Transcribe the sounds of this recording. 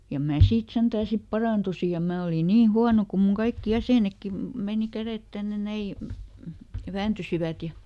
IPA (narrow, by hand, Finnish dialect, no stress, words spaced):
jɑ mæː siːt sentæː sip pɑrɑˑntusi jɑ mæː oli niːn̞ huɑno kum muŋ kɑikːi jæseˑnekːi meˑni kæret tænːe næi ʋæːntysiʋæt jɑ